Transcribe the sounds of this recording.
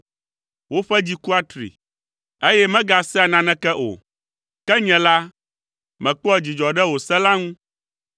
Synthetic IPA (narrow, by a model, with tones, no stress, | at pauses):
wo˦ɸɛ˦d͡ʑi˦ku˦a˦t̪ɾḭ˨ | e˦jɛ˦mɛ̃˦ɡa˨sɛ˦a˨nã˨nɛ̃˦kɛ˦ʔo̰˨ | kɛ˦ɲɛ̃˨la˦ | mɛ̃˨k͡pɔ˦ɛ˨d͡ʑi˨d͡ʒɔ˨ɖɛ˦wo˨sɛ˦la˦ŋũ˦